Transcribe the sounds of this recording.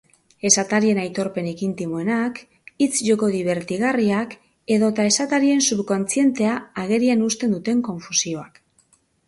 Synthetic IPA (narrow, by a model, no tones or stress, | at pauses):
e̞sat̪aɾie̞najt̪o̞ɾpe̞nekint̪imoenak | it͡sʝo̞ko̞ðiβ̞e̞ɾt̪iɣariak | e̞ðo̞t̪ae̞sat̪aɾie̞nsupko̞nt͡sie̞nt̪e̞aːɣ̞e̞ɾianust̪e̞nd̪ut̪e̞ŋko̞ɱfusio̞ak